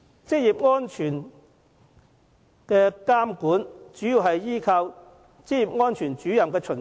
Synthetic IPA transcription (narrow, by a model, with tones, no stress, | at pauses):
t͡sɪ˥k̚jiː˨p̚ŋɔː˥nt͡ʃʰyː˨˩n | kɛː˧kaː˥mkuː˨˥nt͡ʃyː˨˥jiː˧wɦɐ˨jːiː˥kʰaː˧w | t͡sɪ˥k̚jiː˨p̚ŋɔː˥nt͡ʃʰyː˨˩nt͡ʃyː˨˥jɐ˨mkɛː˧t͡ʃʰɵ˨˩n